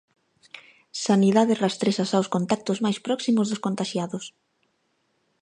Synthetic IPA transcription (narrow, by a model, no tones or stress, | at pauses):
saniðaðɪrast̪ɾeʃasawskont̪ak̚t̪ʊzmajspɾɔksimʊzðʊskont̪aʃjaðʊs